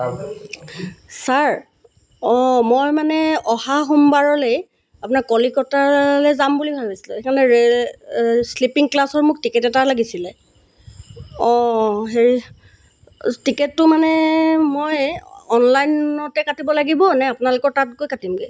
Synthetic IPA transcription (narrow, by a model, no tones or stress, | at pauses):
saɹ | ɔmojmanɛɔhaxumbaɹɔlej | apʊnakɔlikɔtalɛzambulibʱabisi̥lɛ̰ekʰanɛɹ | slipiŋklasɔɹmʊk̚tikɛtɛtalaɡisilɛ | ɔɦeɹi | tiketːʊmanɛmojɔnlajnɔtɛkatibɔlaɡibɔnɛapʊnalʊkɔɹtat̚kojkatimɡɛ